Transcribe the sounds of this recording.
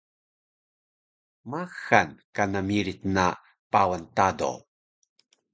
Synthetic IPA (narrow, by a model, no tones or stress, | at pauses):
maxankanamiɾit̪na | pawantado̰